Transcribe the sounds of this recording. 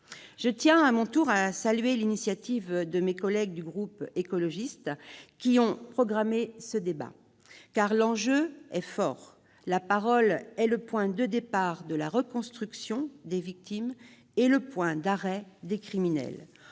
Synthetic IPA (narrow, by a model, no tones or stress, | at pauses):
ʒ̥ət̪jɛ̃amɔ̃t̪uʁasalyɥelinisjat̪ivd̪əmekɔlɛɡ̚d̪yɡʁupekɔlɔʒist̪kʲiɔ̃pχɔɡʁamesəd̪eba̰ | kaʁlɑ̃ʒøɛfɔːʁ | lapaʁɔlɛləpwɛ̃d̪əd̪epaʁd̪əlaʁəkɔ̃st̪χyksjɔ̃d̪evik̚t̪im | eləpwɛ̃d̪aʁɛd̪ekχiminɛ̰l